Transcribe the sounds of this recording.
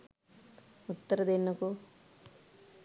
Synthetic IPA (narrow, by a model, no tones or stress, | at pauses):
ut̪ːɐɾɐd̪inɐku